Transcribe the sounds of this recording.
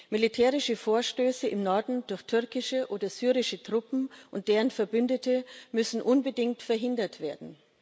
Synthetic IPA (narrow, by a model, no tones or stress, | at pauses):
militʰɛːʁɪʃəfoːɐʃtøːsəʔɪmnɔɐdn̩dʊɐçtʰʏɐkɪʃəʔoːdɐzyːʁɪʃətʁ̥ʊpm̩ʔʊnt̚d̥eːʁənfɛɐbʏndətʰəmʏsn̩ʔʊnbədɪŋk̚tfɛɐɦɪndɐtv̥eːɐdn̩